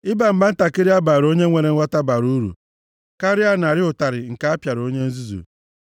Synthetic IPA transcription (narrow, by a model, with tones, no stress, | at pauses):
ɪ˦ba˨m̩˨ba˦n̩˦ta˨kɪ˦ɾɪ˦a˦ba˨ɾo˦ɲe˦ŋʷe˨ɾe˨ŋ̩ʷ˦a˦ta˦ba˨ɾu˦u˦ɾṵ˨ | ka˦ɾɪ˦a˦n˨a˨ɾɪ˦ʊ˨ta˨ɾɪ˨ŋ̩˨ka˦a˦pja˨ɾo˦ɲe˦n̩˦zu˦zṵ˨